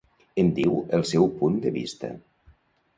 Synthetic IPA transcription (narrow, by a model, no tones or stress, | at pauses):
ənd̪iwəlˠsɛwpund̪əβḭst̪ə̰